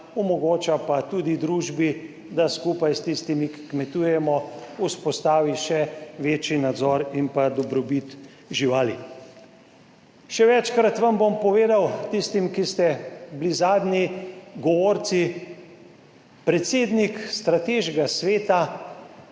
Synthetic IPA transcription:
ɔmɔɡoːt͡ʃapat̪ud̪id̪ɾuːʒbi | d̪askupajst̪ist̪imiki̥kmɛt̪uːjɛmɔuspɔst̪aːʋiʃɛʋeːt͡ʃinad̪zɔɾimpad̪ɔbɾɔbit̪ | ʒiʋaːli | ʃɛʋɛt͡ʃkɾat̪ʋambompɔʋeːd̪awt̪ist̪imkist̪ɛblizaːd̪nʲiɡɔʋoːɾt̪si | pɾɛt̪seːd̪nikst̪ɾat̪eʒɛɡasʋeːt̪a

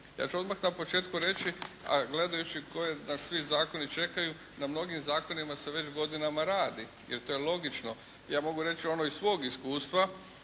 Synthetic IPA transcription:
ja̰ːt͡ʃuo̞d̪maxnapo̞t͡ʃe̞ːt̪kuɾe̞t͡ʃia̰ɡle̞d̪ajut͡ʃiko̞jenasʋizaːko̞nit͡ʃe̞kaju | namno̞ɡimzaːko̞nimase̞ʋe̞t͡ʃɡo̞d̪inamaɾaːd̪i | jeɾt̪o̞ːjelo̞ɡit͡ʃno̞ | jaːmo̞ɡuɾe̞t͡ʃio̞noisʋo̞ːɡiskuːst̪ʋa

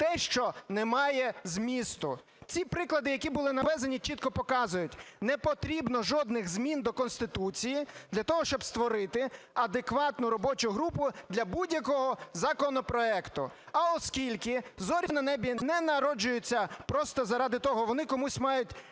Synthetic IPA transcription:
t̪ɛʃt͡ʃɔnɛmɑjɛzmʲist̪ʊ | t͡sʲipɾɪklˠɐd̪ɪjɐkʲibʊlˠɪnɐʋɛzɐnʲit͡ʃit̪̚kɔpɔkɑzʊjʊtʲnɛpɔt̪ɾʲibnɔʒɔd̪nɪɣzmʲind̪ɔkɔnst̪ɪt̪ut͡sʲijid̪lʲɐt̪ɔɦɔʃt͡ʃɔbst̪ʋɔɾɪt̪ɪ | ɐd̪ekʋɑt̪nʊɾɔbɔt͡ʃʊɦɾupʊd̪lʲɐbudʲjɐkɔɦɔzɐkɔnɔpɾɔɛkt̪ʊɐɔskʲilʲkɪzɔɾʲinɐnɛbʲinɛnɐɾɔd͡ʒʊjʊt͡sʲːɐpɾɔst̪ɔzɐɾɑd̪ɪt̪ɔɦɔʋɔnɪkɔmusʲmɑjʊtʲ

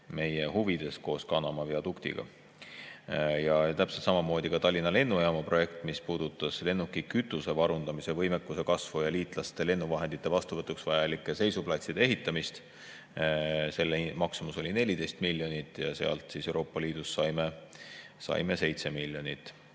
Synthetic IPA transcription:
me̞je̞huvid̪̥e̞sko̞ːskɑnɑmɑviɑd̪ukt̪ḭɡ̥ɑ̰ | jɑt̪æpselt̪sɑmɑmo̞ːd̪̥ʲikɑt̪ɑlʲːinɑle̞nːujɑmɑpro̞je̞kt̪mispuːd̪̥ut̪ːˑɑsle̞nːukːˑikyt̪ːˑuse̞vɑɾund̪ɑmise̞vɤ̞jmekːˑuse̞kɑsvujɑliːt̪ˑlɑst̪e̞le̞nːuvɑɦe̞nd̪̥it̪ːˑe̞vɑst̪uvɤt̪ːˑuksvɑjɑlikːˑese̞jsuplɑt̪sid̪ee̞ɦit̪ːˑɑmist̪ | se̞lːeimɑksumuso̞lʲine̞lʲid̪̥e̞jst̪milʲːjo̞nit̪ːˑjɑ̰se̞ɑ̰lt̪sise̞wɾo̞ːpˑːɑliːd̪̥usːɑjme | sɑ̰jme̞se̞jt̪se̞milʲjo̞nit̪ːˑ

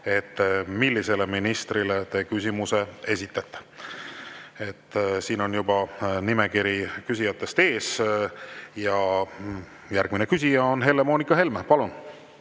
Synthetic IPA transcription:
e̞t̪ːˑmilːise̞le̞minist̪rilet̪e̞ːkysʲimuse̞e̞sʲit̪ːˑɑt̪ːˑe̥ | e̞t̪ːˑsiːno̞njubɑnime̞kiɾikysʲijɑt̪ːˑe̞st̪e̞ːs | jɑ | jærɡ̥minekysʲijɑo̞nɦe̞lemo̞ːnikɑɦe̞lmpɑlun

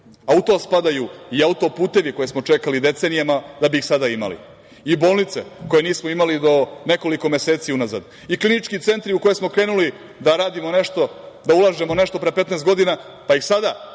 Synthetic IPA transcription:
aut̪o̞spad̪ajuiaut̪o̞puːt̪e̞ʋiko̞je̞smo̞t͡ʂe̞kalid̪e̞t̪se̞nijamad̪abiːxsad̪aima̰lḭ | ibo̞ːlˠnit̪se̞̰ko̞je̞niːsmoimalid̪o̞ne̞ko̞liko̞me̞seːt̪siunaza̰d̪ | iklinit͡ʃkit̪se̞nt̪ɾiuko̞jesmo̞kɾe̞ːnuli | d̪aɾaːd̪imo̞ne̞ʃt̪o̞d̪aulˠaʒe̞mo̞ne̞ʃt̪o̞pɾepet̪nest̪ɡo̞d̪ina | paixsad̪a

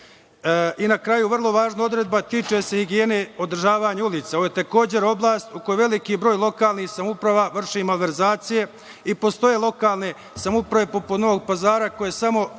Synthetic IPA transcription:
inakɾajuʋr̩lˠo̞ʋaːʒnao̞d̪ɾe̞d̪̚bat̪it͡ʃese̞hiɡije̞ne̞o̞d̪r̩ʒaːʋaɲeuliːt̪sao̞jet̪eko̞ːd͡ʑe̞ɾo̞blˠaːst̪ukojuʋe̞likibɾo̞ːjlˠo̞kaːlnihsamupɾaʋaʋr̩ʃimalʋe̞ɾzaːt̪sije̞ | ipo̞st̪o̞je̞lˠo̞kaːlˠne̞ | samupɾaʋe̞po̞pud̪no̞ʋoɡ̚pazaːɾako̞jesamo̞

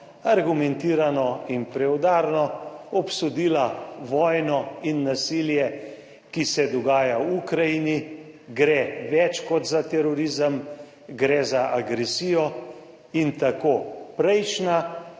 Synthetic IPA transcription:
aɾɡumɛnt̪iːɾanɔinpɾɛwd̪aːɾnɔɔpsud̪iːlaʋɔjnɔinːasiljɛ | kisɛd̪ɔɡaːjawukɾajini | ɡɾɛʋɛt͡ʃkɔt̪zat̪ɛɾɔɾiːzəm | ɡɾɛzaʔaɡɾɛsijɔ | int̪akoːpɾɛjt͡ʃna

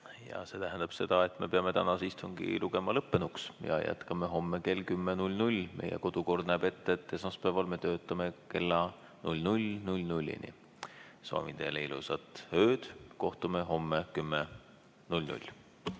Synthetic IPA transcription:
jɑ̰se̞ːt̪æɦænd̪̥ɑb̥se̞d̪̥ɑe̞t̪ːˑme̞pe̞ɑme̞t̪ænɑsist̪uŋɡḭluɡ̥e̞mɑlɤpːe̞nuksjɑ̰jʔæ̰t̪kɑmeɦo̞mːeke̞ːlkymːenulʲnulʲmḛjḛko̞d̪̥uko̞rd̪̥̚næːb̥e̞t̪ˑːet̪ːe̞smɑspæːvɑlme̞t̪ø̞ːt̪ːˑɑme̞ke̞lːɑ | nulʲnulʲnulʲnulʲːḭnḭ | sɑ̰ːmid̪̥e̞leilṵsɑt̪ˑhøːd̪̥ko̞ht̪umeɦo̞mːekymːe | nulʲnṵlʲ

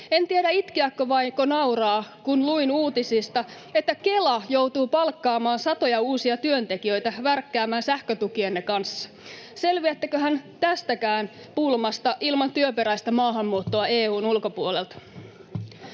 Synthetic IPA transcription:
e̞nt̪ieɾæit̪kiækːoʋɑiŋkonɑuɾɑːkunluinuːt̪isist̪ɑ | e̞t̪ːæke̞lɑjowt̪uːpɑlkːɑːmɑːnsɑt̪o̞jɑuːsiɑt̪yø̞nt̪e̞kiø̞jt̪æʋærkːæːmæːnsæhkøt̪ukienːekɑnsːɑ̥ | se̞lʋiæt̪ːækøɦænt̪æst̪ækæːn | pulmɑst̪ɑʔilmɑnt̪yøpe̞ɾæjst̪æmɑːɦɑmːuːt̪ːoɑeːuːnulko̞puole̞lt̪

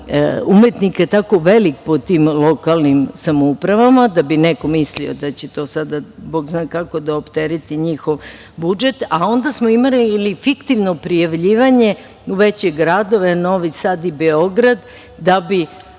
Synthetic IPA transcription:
umet̪nikaet̪ako̞ʋe̞lik̚pot̪iːmlˠo̞kalˠnimsamoupɾaʋamad̪abineko̞mislio̞̰d̪at͡ɕe̞t̪o̞ːsad̪aboːɡznaːkako̞d̪aopt̪eɾit̪iɲixo̞ʋ | bud͡ʒe̞t̪ao̞nd̪asmoimallifikt̪iʋno̞pɾijaʋʎiːʋaɲe̞ | uʋet͡ɕe̞ɡɾad̪o̞ʋe̞no̞ʋisad̪ibeo̞ɡɾad̪ː | abi

